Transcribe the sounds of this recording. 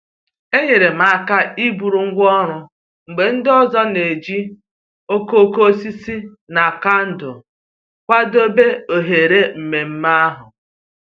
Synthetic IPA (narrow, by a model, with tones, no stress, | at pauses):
e˦ɲe˨ɾe˨ma˨a˨ka˦i˦bu˨ɾu˨ŋ̩˦ɡʷɔ˦ɾʊ˨ | ŋ͡m̩˨ɡ͡be˨n̩˦dɔ˦zɔ˦ne˨d͡ʒi˦ | o˦ko˦˨ko˦si˦si˦ | na˨ka˦n̩˨dʊ˨ | kʷa˦do˦be˦o˨ɦe˨ɾe˦m̩˨me˨m̩˦ma˦a˦ɦʊ˨